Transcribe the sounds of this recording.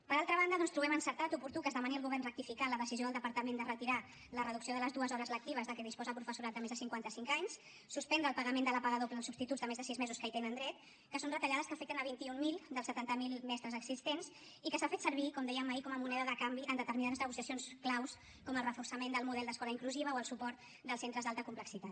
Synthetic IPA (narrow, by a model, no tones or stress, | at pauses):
pəɾalˠt̪ɾəβ̞and̪əðɔnst̪ɾuβɛmənsəɾt̪at̪upuɾt̪ukəːzðəmaniəlˠɣuβɛrnrəkt̪ifikaləðəsizioðəlˠd̪əpəɾt̪əmend̪ərət̪iɾa | lərəðuksioðələzðuəzɔɾəzlək̚t̪iβ̞əzðəkɛð̞ispɔzəpɾufəsuɾat̪̚d̪əmezðəsiŋkwant̪əsiŋkaɲs | suspɛnd̪ɾəlˠpəɣəmend̪ələpaɣəðopləːlˠsub̥st̪it̪udd͡zzðəmezðəsizmɛzuskəit̪enənd̪ɾɛt̪ | kəsonrət̪əʎaðəskəfɛk̚t̪ənəβint̪iummilˠd̪əlˠsət̪ant̪əmilˠmɛst̪ɾəzəɡzist̪ens | ikəsafet̪səɾβikɔmd̪ɛjəmaikɔməmunɛðəðəkambiʔənd̪ət̪əɾminaðəznəɣ̞usiəsijonsklaws | kɔməlˠrəfuɾsəmend̪əlˠmuðɛlˠd̪əskɔləiŋkluziβ̞əoəlˠsupɔɾt̪ | d̪əlˠsent̪ɾəzðalˠt̪əkumpləksit̪at̪